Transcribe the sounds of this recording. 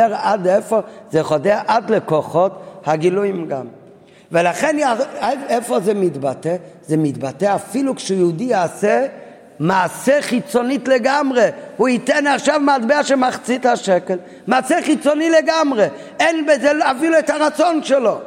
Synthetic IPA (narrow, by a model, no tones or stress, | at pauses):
ɛɾadɛfəzeχɔdɛʔadlekɔχɔthaɡɪlujmɡa̰m | vɛlaχɛnaaɛfɔzemidbatɛ | zemidbatɛafilˠukʃujudiasɛ | maːsɛχit͡sɔnitleɡamʁeuitɛnaχʃavmadbɛaʃemaχt͡sitaʃɛkɛl | maːsɛχit͡sɔnileɡamʁe | ɛnbɛzɛlafiluɛtaʁat͡sɔnʃɛlɔ